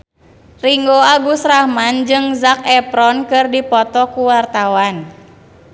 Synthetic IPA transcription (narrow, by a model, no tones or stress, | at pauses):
riŋɡoaɡusɾahmand͡ʒɨŋzakɛpɾɔnkɨrdipɔt̪ɔkuwart̪awan